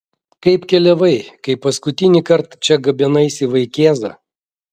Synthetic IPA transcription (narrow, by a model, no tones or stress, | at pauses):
kɐɪpkʲɛlʲɛʋɐɪkɐɪppːɐskʊt̪ʲɪnʲiːkɐɾt̪t͡ʃʲɛɡɐbʲɛnɐɪsʲɪʋɐɪkʲeːzɐ̰